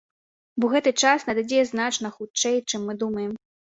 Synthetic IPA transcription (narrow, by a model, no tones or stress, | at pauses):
bɔɣɛt̪ɨt͡ʂasnɐd̪ɨd͡zʲɛznat͡ʂnɐxut͡ʂɛjt͡ʂɨmːɨd̪umɐjɛm